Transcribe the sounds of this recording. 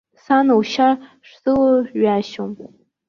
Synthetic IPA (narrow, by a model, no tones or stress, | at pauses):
sanowʃa | ʂz̥ɨlɥaʃom